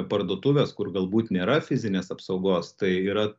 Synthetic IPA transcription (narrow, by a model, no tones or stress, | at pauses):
pɐɾd̪oːt̪uːʋʲeːskʊɾɡɐlˠbuːt̪nʲeːɾɐfʲɪzʲɪnʲeːsɐpsɒʊɡoːst̪ɐɪiːɾɐ